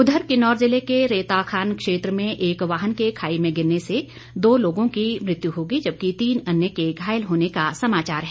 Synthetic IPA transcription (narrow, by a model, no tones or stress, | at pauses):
ʊd̪ʱəɾkɪnɔːɾzɪlekeɾeːt̪aːxʰaːnkʃeːt̪ɾəmẽʔeːkʋaːɦənkekʰaːimẽɡɪɾnese | d̪oːloːɡõkimɾɪt̪juɦoːɡid͡ʒɐb̚kit̪iːnɐnjəkeɡʱaːjəlɦoːnekasɐmaːt͡ʃaːɾɦɛː